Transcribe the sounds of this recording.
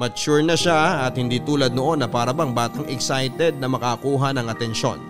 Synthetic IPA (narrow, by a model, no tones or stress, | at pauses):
mɐt͡ʃuɹnɐʃaɐt̪̚hɪnd̪iːt̪uːlɐd̪̚noʔo̞nːɐpaːɾɐbɐŋbaːt̪ɐŋɛksajt̪ɛd̪̚nɐmɐkakuːɦɐnɐŋʔɐt̪ɛnʃo̞̰n